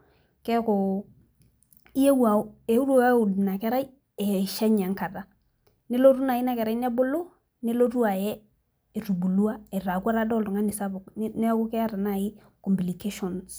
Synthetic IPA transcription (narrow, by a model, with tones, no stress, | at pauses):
kɛ˦ko˨ | i˦e˦wu˦a˨˦e˨˦u˦ɾu˦a˦u˨di˨na˨kɛ˦ɾa˦i˦ | e˨ʃɛ˦ɲa˨ŋka˨da˨ | nɪ˦lo˦tu˦na˨ji˦na˦kɛ˨ɾa˦i˦n˦ɛ˦bo˦lo˦ | nɪ˦lo˦tu˦a˨jɛ˦˨ | ɾu˨bu˨lu˦a˦e˨ɾa˨ku˦a˦ɾa˦dɔ˦˨lu˨ŋa˦nɪ˨sa˦bʊ˨kne˦ku˦kɛ˦a˦ɾa˨na˦˨ji˦ | ko˨mbli˨ke˦ʃɔ˨ns